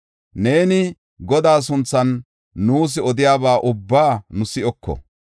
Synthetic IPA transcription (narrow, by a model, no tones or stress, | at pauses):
ne̞ːnɪ | ɡɔd̪aːs̬ʊnt͡sːɐnː | uːs̬ɪɔd̪ɪjaːbaːʔʊbːaːnʊsɪʔɔkːɔ̰